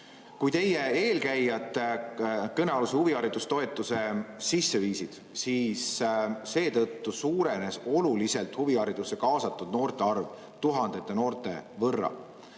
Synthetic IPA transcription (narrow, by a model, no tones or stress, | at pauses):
kujt̪e̞jeeːlkæjɑt̪ˑːekɤneɑlusehuviɑɾid̪̥ust̪o̞e̞t̪ːˑuse̞sisːe̞viːsid̪̥ | siːsse̞ːt̪ɤt̪ːusuːɾe̞ne̞so̞lulise̞lt̪huviɑɾid̪̥usːe̞kɑːsɑt̪ːˑud̪̚no̞ːrt̪e̞ɑrv | t̪uɦɑnd̪̥e̞t̪ˑːeno̞ːrt̪ˑe̞̰vɤrːɑ̰